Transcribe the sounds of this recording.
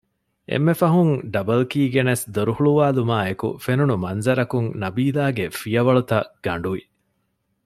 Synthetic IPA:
ʔḛmːefɐɦuŋɖɐbɐlkiːɡenesd̪oɾuhuɭuʋaːlumaːekṵfenunumɐnzɐɾɐkuŋnɐbiːlaːɡefijɐʋɐɭut̪ɐɡ̥ɐɳ̆ɖuʋi

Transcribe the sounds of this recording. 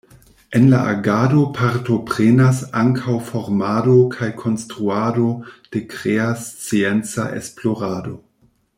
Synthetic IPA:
e̞nla̰ʔaɡado̞pʰaɾto̞pɾenasaŋkʰawfo̞ɾmado̞kʰajkʰo̞nstɾuado̞d̥e̞kɾeast͡sient͡sa̰ʔḛsplo̞ɾado̞

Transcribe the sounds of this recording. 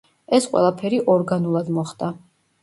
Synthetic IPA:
ɛsqʼwɛ̰lˠapʰɛɾiʔɔɾɡanulˠad̪mɔχd̪̥a

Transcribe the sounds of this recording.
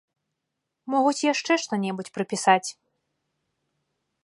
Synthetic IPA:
mɔɣut͡sʲjaʂt͡ʂɛʂt̪ɔnʲɛbut͡sʲpɾɨpʲisat͡sʲ

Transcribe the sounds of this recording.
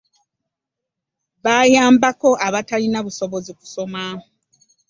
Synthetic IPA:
βajaːmbako̞ʔaβatalinaβuso̞βo̞ziku̥so̞ma

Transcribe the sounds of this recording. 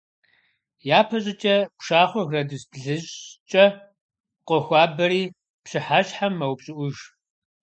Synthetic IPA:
jaːpʰɐɕʼɪt͡ʃʼɐpʂaːχʷɔɣrɐdɨsbɮɨɕt͡ʃʼɐ | qʷɔxʷɑːbɐɾiː | pɕɪħaɕħamːɐwpɕʼɪʔʷʊʒ

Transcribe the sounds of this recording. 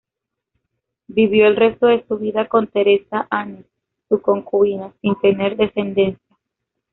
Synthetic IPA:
biβjo̞elre̞st̪o̞ðe̞suβiðako̞nt̪e̞ɾe̞saʔanisː | uko̞ŋkuinasint̪e̞ne̞ɾðe̞se̞nd̪e̞nsja

